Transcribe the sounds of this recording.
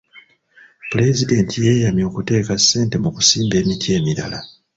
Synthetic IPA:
pule̞zide̞ntʰije̞ːjamjo̞ːkute̞ːkasːe̞ːnte̞muku̥siːmbe̞ːmitʰie̞ːmiɾa̰la

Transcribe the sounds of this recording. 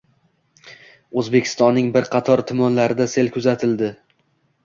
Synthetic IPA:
ɵzbe̞kʲʰɪ̥st̪ɒnːɪŋbɪɾqʰɑt̪ʰɒɾt̪ʰʊmɒnlaɾɪd̪ase̞lkʰʊzat̪ʰɪld̪ɪ

